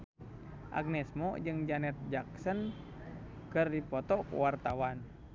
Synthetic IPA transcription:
ʔa̰ɡ̚nɛsmɔ̰d͡ʒɨŋd͡ʒanɛt̪̚d͡ʒaksən | kɨrdipɔt̪ɔkṵwart̪awan

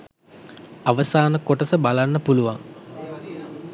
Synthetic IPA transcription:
aʋəsaːnəkoʈəsəbalanːəpuluʋa̰ŋ

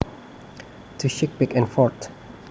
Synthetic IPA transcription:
tʰuʃɪk̚bɪkɛ̃nfɔɹt

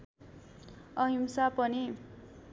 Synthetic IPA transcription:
ʌɦimsapʌni

